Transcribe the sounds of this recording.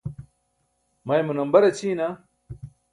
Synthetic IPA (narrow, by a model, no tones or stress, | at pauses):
mɐjmunɐmbɐɾɐt͡ɕʰiːna